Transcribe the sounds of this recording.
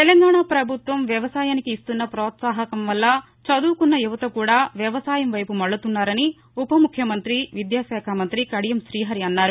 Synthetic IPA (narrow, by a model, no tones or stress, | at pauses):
t̪elɐŋɡaːɳapɾɐbʱut̪ʋɐmʋjɐʋɐsaːjaːnikiːst̪unːɐpɾɔːt̪saːɦɐkɐmʋɐlːɐ | t͡ʃɐd̪uːkunːɐjuʋɐt̪ɐkuːɽaːʋjɐʋɐsaːjɐmʋɐjpumɐɭːut̪unːaːɾɐni | upɐmukʰjɐmɐnt̪ɾiʋid̪jaːʃɛːkʰamɐnt̪ɾikɐɽijɐmʃɾiːɦɐɾiɐnːaːɾu